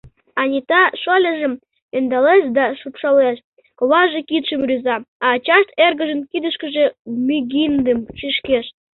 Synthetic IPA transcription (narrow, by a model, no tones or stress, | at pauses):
ɑnʲit̪ɑʃolʲəʒə̆m | end̪ɑleʃd̪ɑʃupʃɑleʃ | koβɑʒekit̪ʃəmrʲyzɑɑt͡ɕɑʃt̪erɣəʒə̆nkid̪əʃkə̆ʒemʲyɡind̪əmʃiʃkeʃ